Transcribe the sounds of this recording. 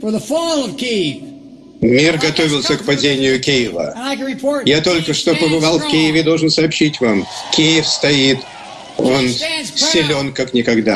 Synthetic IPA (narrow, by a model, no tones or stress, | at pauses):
fə˞ðəfɔlˠʌv̥kʰiv | mʲirɡɐt̪o̞vʲɪlˠsʲəkpɐdʲenʲɪjʊkʲejɪvə̰pʰɔjat̪o̞lʲkəʂt̪o̞pəbɨvalˠfkʲijɪvʲɪd̪o̞lˠʐɨnsɐɐpɕːitʲvamkʲijɪfst̪ɐit̪ | o̞nsʲɪlʲo̞nkaknʲɪkɐɡd̪a